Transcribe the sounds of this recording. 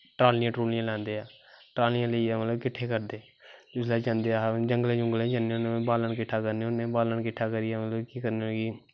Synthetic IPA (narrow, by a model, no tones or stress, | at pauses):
ʈɾaːlɪãːʈɾuːnɪjãːlɛ̃ːnd̪eːaːʈɾaːlɪjãːləiːaːmət̪ləbkɪʈʰːeːkəɾd̪eː | t̪ʊslaːd͡ʒãːnd̪eːad͡ʒəŋɡəlẽːd͡ʒʊŋɡəlẽːd͡ʒaːnːeːʊnẽbaːləɳkɪʈʰːaːkəɾneʊnẽːbaːləɳkɪʈʰːaːkəɾiːaːmət̪ləbkiːkəɾneɡiː